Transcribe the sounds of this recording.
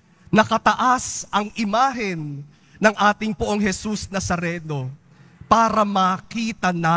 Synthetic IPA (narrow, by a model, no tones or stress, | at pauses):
nɐkɐt̪ɐʔasʔɐŋʔɪmaːɦɪnː | ɐŋʔaːt̪ɪŋpʊʔoŋɦɛsusnɐsɐɾɛːno̞ | paːɾɐmɐkiːt̪ɐna